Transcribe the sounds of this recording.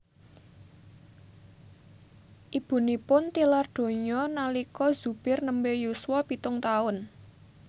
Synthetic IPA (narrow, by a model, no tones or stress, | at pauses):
ʔib̥ṳnipʊnt̪ilard̪̥o̤ɲɔnalikɔz̥ub̥ɪrnəmbejuswɔpit̪ʊŋt̪aʊn